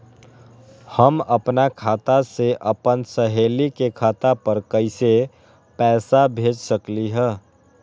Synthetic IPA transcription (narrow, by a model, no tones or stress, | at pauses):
həməpnakʰaːt̪aseʔəpənsəɦeːlikekʰaːt̪apəɾkəɪse | pɛːsabʱeːd͡ʒsəkliɦɛ̃ː